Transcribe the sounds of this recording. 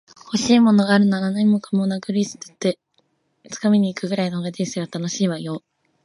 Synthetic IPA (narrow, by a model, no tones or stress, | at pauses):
ho̞ɕiːmo̞no̞ɡaːɾɯ̟nananoɲimokamonakɯɾʲisɨ̥t̪ːo̥t̪ːe | t͡sɨ̥kamʲiɲ̟iːkɯ̟ɡɯ̟ɾainohoɡad̪eseβat̪ano̞ɕiːβajo̞ː